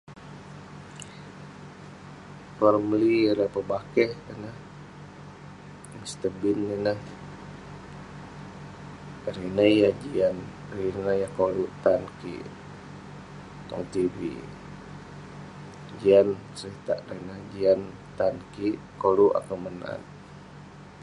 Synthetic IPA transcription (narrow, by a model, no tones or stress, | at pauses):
pərmliɾəhpəbakɛhənah | mist̪əbinːinəh | ɾinəjad͡ʒian | ɾinəjahkoluʔt̪ankḭʔ | t̪ɔ̰ŋt̪iɾḭ | d͡ʒiant͡ʃəɾit̪aʔɾənəhd͡ʒian | t̪ankiʔ | koluʔa̰kəməna̰n